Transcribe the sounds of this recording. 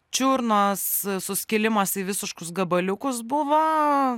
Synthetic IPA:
t͡ʃʲuːɾnɐssʊsʲkʲɪlʲɪmɐsiːʋʲɪsʲɪʃkʊsɡɐbɐlʲʊkʊs̬bʊʋo

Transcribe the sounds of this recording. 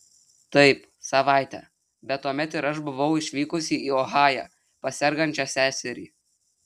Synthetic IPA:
t̪ɐɪp | sɐʋɑˑɪt̪ʲɛ̰ː | bʲɛt̪ːuɔmʲɛt̪ɪɾɐʃbʊʋɐʊɪʃʲʋʲiːkʊsʲiːiːɔɣɑːjæ̰ː | pɐsʲɛɾɡɐnʲt͡ʃʲɛsʲæːsʲɛɾʲiː

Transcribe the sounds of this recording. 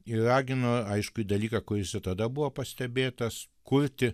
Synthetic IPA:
ɪrɑːɡʲɪnoːɐɪʃkʊid̪ɐlʲiːkɑkʊɾʲɪsʲɪt̪ɐd̪ɐbʊʋoːpɐsʲt̪ʲɛbʲeːt̪ɐs | kʊɾʲt̪ʲɪ

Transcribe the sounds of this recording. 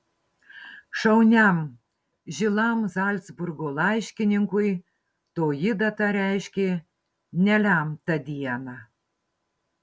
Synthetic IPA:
ʃɐʊnʲæm | ʒʲɪlˠɑmzɑlʲt̪zbʊrɡolˠɑɪʃʲkʲɪnʲɪŋkʊj | t̪oːjɪd̪ɑt̪ɑɾʲæɪʃʲkʲe | nʲælʲæmt̪ɐd̪ʲiɛnɑ

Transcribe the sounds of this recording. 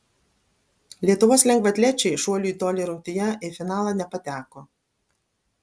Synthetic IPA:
lʲiɛt̪ʊʋoːslʲɛŋɡʋɐt̪ʲlʲɛt͡ʃʲɛɪʃuɔlʲuˑiːt̪oːlʲiːɾɐʊkt̪ʲɪjɛɪfʲɪnɑːlˠɑnʲɛpɐt̪ʲæːkoː

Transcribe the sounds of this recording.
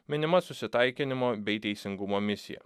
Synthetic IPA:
mʲɪnʲɪmɐsʊsʲɪt̪ɑɪkʲɪnʲɪmoːbʲɛɪt̪ʲɛɪsʲɪŋɡʊmoːmʲɪsʲɪ̰jɛ̰

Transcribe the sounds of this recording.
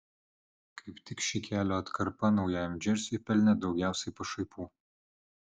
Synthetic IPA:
kʰɐɪpt̪ʲɪkʃʲikʲæːlʲoːɐt̪kɐɾpɐnɒʊjɛɛmʲd͡ʒʲɛɾʲsʲipʲɛlʲnʲɛd̪ɒʊɡʲæˑʊsʲɛɪpɐʃɐɪpuː

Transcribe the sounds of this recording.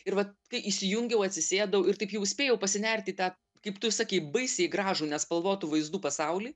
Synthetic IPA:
ɪɾʋɐkɐɪʔiʃʲsʲɪjʊŋʲɡʲɛʊɐt̪ʲsʲɪsʲeːd̪ɐʊɪrt̪ɐɪpjɛʊsʲpʲeːjɛʊpɐsʲɪnʲɛrʲt̪ʲɪt̪ɑː | kɐɪpt̪ʊsɑːkʲeɪbɐɪsʲeːɪɡɾɑːʒuːnʲɛspɐlˠʋoːt̪uʋɐɪzd̪uːpɐsɐʊlʲiː

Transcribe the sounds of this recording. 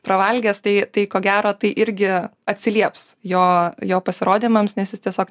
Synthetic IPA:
pɾɐʋɐlʲɡʲɛːst̪ɐɪt̪ɐɪkoːɡʲæːɾoːt̪ɐɪʔɪɾʲɡʲɪɐt̪ʲsʲɪlʲiɛpsjoːjoːpɐsʲɪɾoːd̪ʲiːmɐmsnʲɛsjɪst̪ʲiɛsʲoːk

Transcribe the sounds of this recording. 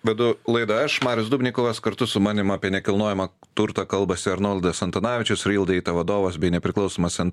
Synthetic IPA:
ʋʲɛd̪ʊlˠɐɪd̪ɐɐʃmɑːɾʲjʊsd̪uːbʲnʲiɪkoːʋɐskɐɾt̪ʊsʊmɑːnʲɪmɑːpʲiɛnʲɛkʲɪlˠnoːjɛmɐt̪ʊɾt̪ɐkɐlˠbɐsʲɪɐɾnoːlʲˠd̪ɐsɐnt̪ɐnɑːʋʲɪt͡ʃʲʊsɾʲiːlˠd̪ɐɛɪt̪ɐʋɐd̪oːʋɐsbʲɛɪnʲɛpʲɾʲɪklˠɐʊsoːmɐssʲɛn

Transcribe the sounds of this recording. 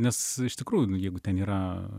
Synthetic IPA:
nʲɛsɪʃt̪ʲɪkɾuːjʊjɛɪɡʊt̪ʲɛniːɾɐ

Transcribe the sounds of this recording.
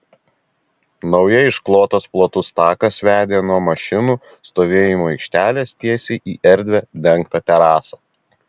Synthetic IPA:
nɒʊjɛɪʃklˠoːt̪oːsplˠoːt̪ʊst̪ɑːkɐsʲʋʲæːd̪ʲeːnuɔmɐʃʲɪnuː | st̪oːʋʲeːjɪmoːɛɪkʃʲt̪ʲæːlʲeːst̪ʲiɛsʲiːʔiːʔɛɾʲd̪ʲʋʲɛd̪ʲɛŋˑkt̪ɐt̪ʲɛɾɑːsɑː

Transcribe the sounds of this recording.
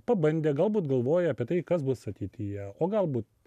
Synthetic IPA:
pɐbɐnʲd̪ʲeːɡɐlˠbuːt̪ɡɐlˠʋoːjɛɐpʲiɛt̪ɐɪkɐsbʊsɐt̪ʲɛɪt̪ʲɪjɛoːɡɐlˠbuːt̪

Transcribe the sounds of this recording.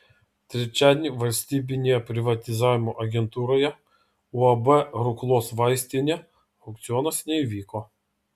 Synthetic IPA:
t̪ʲɾʲɛt͡ʃʲæːd̪ʲnʲiʋɐlʲsʲt̪ʲiːbʲɪnʲejɛpʲɾʲɪʋɐt̪ʲɪzɑːʋʲɪmoʔɐɡʲɛnt̪uːɾoːjɛ | uɐbɛɾʊklˠoːsʋɑɪsʲt̪ʲɪnʲɛ | ɔk̚t̪sʲɪɔnɐsnʲɛiʋʲiːko

